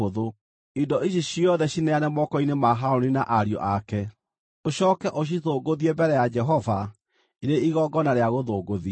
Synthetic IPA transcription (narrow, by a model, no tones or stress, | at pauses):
oðo | idɔiɕ̬iɕiɔðɛɕinɛanɛmɔkɔinemaɦaoninaʔaɾjɔ̰ʔakɛ | oɕɔːkɛʔoɕ̬iðoːɡoðiebɛɾɛjad͡ʒɛɦɔva | iɾeiɣɔɡɔnaɾeaɣoðoːɡoði